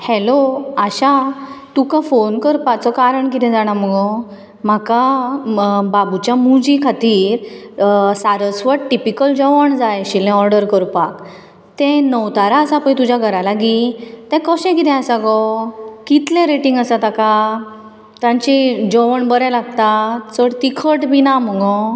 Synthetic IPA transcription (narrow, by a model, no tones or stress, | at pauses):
hɛloaɕat̪ukãfonkəɾpat͡sɔkaɾəɳkit̪ɛ̃d͡zaɽ̃aməɡɔ | m̤aka | babut͡ɕjamud͡ʑikʰat̪iːɾ | saɾəsʋəʈʈipikəld͡ʑɔʋəɳd͡zajɕilɛ̃ɔɾɖəɾkəɾpak | t̪ɛ̃nəwt̪aɾaəsapə̃jt̪ud͡ʑaɡʱəɾalaɡit̪ɛ̃kɔɕɛ̃kit̪ɛ̃asaɡɔkit̪lẽɾeʈĩŋɡəsat̪aka | t̪ãɲt͡ɕid͡ʑɔʋəɳbəɾɛ̃laɡt̪at͡səɽt̪ikʰəʈbinam̤əɡɔ